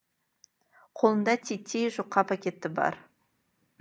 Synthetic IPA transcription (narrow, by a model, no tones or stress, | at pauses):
qʰolˠənd̪ɑt̪ʲʰet̪ʰːejʒoqːɑpʰakʲe̞t̪ɪbɑ̰ɾ